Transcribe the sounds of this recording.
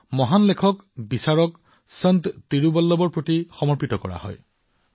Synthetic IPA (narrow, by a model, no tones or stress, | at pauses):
mɔɦanlekʰɔkbisaɹɔk | sənt̪t̪iɹubɔlːɔbɔɹpɹotixɔmɔɹpitɔkɔ̰ɹa̰hɔ̰j